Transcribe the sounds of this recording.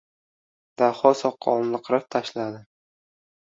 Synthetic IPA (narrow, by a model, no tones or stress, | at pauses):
d̪̥aχɒsɒqʰːɒ̰nˠlɨqʰɾap̚t̪ʰaʃlad̪ɪ